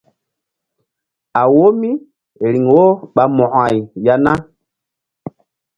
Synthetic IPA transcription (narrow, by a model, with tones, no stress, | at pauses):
a˨wo˦mi˦ | ɾi˨ŋwo˦ɓa˨mɔ̃˨ʔa˨jja˦na˦